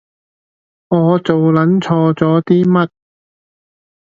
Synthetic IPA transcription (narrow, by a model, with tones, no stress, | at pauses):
ŋɔː˨˧t͡so˨wlɐ˨˥nt͡sʰɔː˧t͡sɔː˨˥t̪iː˥mɐ˥t̚